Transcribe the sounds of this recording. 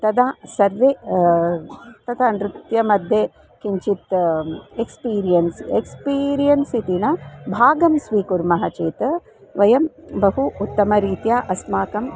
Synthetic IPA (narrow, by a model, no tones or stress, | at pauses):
t̪ɐd̪asɐɾʋe | t̪ɐt̪ʰɐɐnɾut̪jɐmɐd̪ʱjeː | kiɲt͡ʃit̪ | ekspiːɾijɐnsiekspiːɾijɐnsit̪inɐbʱaːɡɐmsʋiːkuɾmɐɦɐt͡ʃeːt̪ | ʋɐjɐmbɐɦuut̪ːɐmɐɾiːt̪jaːʔɐsmaːkɐm